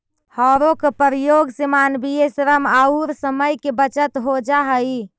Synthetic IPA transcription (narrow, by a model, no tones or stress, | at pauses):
hɔɾokepəɾijoɡsemanbijesɾəmauɾsəməjkebət͡ʃət̪ɦod͡ʒaɦəj